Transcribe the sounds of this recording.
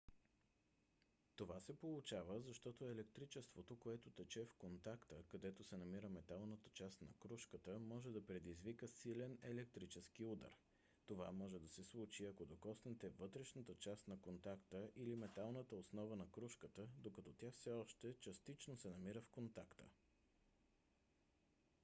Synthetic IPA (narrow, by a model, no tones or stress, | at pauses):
t̪ovasɛpolˠʊt͡ʃavəzɐʃt̪ɔt̪oɛlɛk̚t̪ɾit͡ʃɛst̪vot̪okoɛt̪ot̪ɛt͡ʃɛfkont̪akt̪əkɐd̪ɛt̪osɛnɐmiɾəmɛt̪alˠnət̪ə̥t͡ʃast̪nɐkɾuʃkət̪əmɔʒɛd̪ɐpɾɛd̪izvikəsilɛnɛlɛk̚t̪ɾit͡ʃɛsk̟iud̪ə̰ɾ | t̪ova̰mɔʒɛd̪ɐsɛslˠut͡ʃiɐkod̪okɔsnɛt̪ɛvɤt̪ɾɛʃnət̪ət͡ʃast̪nɐkont̪akt̪əʔilimɛt̪alˠnət̪əosnɔvənɐkɾuʃkət̪əd̪okɐt̪ɔt̪ʲjafsɛɔʃt̪ɛt͡ʃɐst̪it͡ʃnosɛnɐmiɾəfkont̪akt̪ə̰